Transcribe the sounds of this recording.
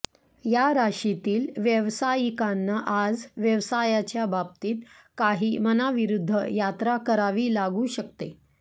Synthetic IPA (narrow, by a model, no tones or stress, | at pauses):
jaɾaɕit̪iːlʋjəʋsajikanːaʔad͡zʋjəʋsajat͡ɕjabab̚t̪iːt̪ | kaɦiːmənaʋiɾud̪ʱːə̰jat̪ɾakəɾaʋiːlaɡuːɕəkt̪e